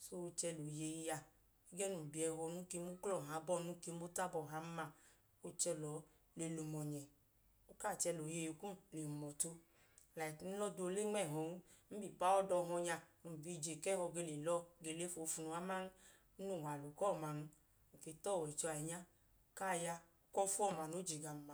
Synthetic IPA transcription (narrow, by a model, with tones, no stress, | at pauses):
so˧t͡ʃɛ˧lo˨je˧ji˧ja˧ | i˦ɡɛ˦nu˨m̩˨bi˨˧ɛ˧ɦɔ˧nu˨˦ke˧˦mu˦klɔ˦˨ɦa˨˦bɔ˦˨nu˨˦ke˧˦o˦ta˦bɔ˨ɦa˨˦m˦ma˧ | o˦t͡ʃɛ˧lɔ˨˦ | le˧˨lu˨˧mɔ˨ɲɛ˨ | o˦ka˦˨t͡ʃɛ˧˨lo˨je˧jo˧kũ˦le˨u˨mɔ˨to˧ | la˨i˨kn̩˦lɔ˦do˧le˦ŋ͡mɛ˦˨ɦɔ˨u˦m̩˦bi˨pa˦ɔ˦dɔ˧ɦɔ˧ɲa˧nu˨bi˧˨d͡ʒe˨kɛ˦hɔ˧ɡe˧˨le˨lɔ˧˦ɡe˨˧˨le˦fo˧fu˧nu˧a˦ma˦n̩˦ | nu˦˨wa˨lo˨kɔ˦˨ma˧˨nu˧˨ | ke˨˧tɔ˦˨wɛ˨i˨t͡ʃɔ˧a˨ɛ˨ɲa˦˨ | ka˦˨ja˧˦ | kɔ˦fu˦ɔ˦˨ma˨no˨˦d͡ʒi˨ɡa˨ma˨